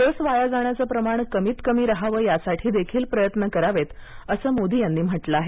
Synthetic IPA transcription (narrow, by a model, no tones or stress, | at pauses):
t̪əsʋajad͡zaɳ̃jat͡səpɾəmaɳ̃kəmiːt̪kəmiːɾəɦaʋəjasaʈʰiːd̪ekʰiːlpɾəjət̪nəkəɾaʋet̪əsəːmod̪ʱiːjanːiːm̤əʈlaaɦe